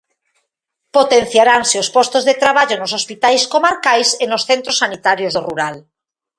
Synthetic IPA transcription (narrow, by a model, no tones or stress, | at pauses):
pot̪en̟θjaɾaŋseospɔst̪ozðet̪ɾaβ̞aʎonosospit̪ajskomaɾkajsenosθent̪ɾosanit̪aɾjozðoruɾal